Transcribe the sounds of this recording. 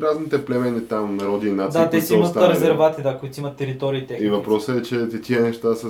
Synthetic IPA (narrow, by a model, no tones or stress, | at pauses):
ɾaznit̪ɛplɛmɛnit̪amnɐɾɔd̪iːnat̪d̪at̪ɛsimət̪aɾɛzɛɾvat̪id̪akoʊit̪simɐt̪ːɛɾit̪ɔɾiːt̪ɛxivɐpɾɔsəɛt͡ʃɛt̪ɐkiɛnɛʃt̪asə